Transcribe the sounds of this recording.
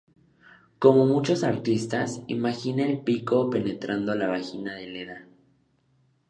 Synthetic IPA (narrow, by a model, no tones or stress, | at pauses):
ko̞mo̞mut͡ʃo̞saɾt̪ist̪asimaxineelpiko̞pe̞ne̞t̪ɾand̪oalaβaxinaðe̞leða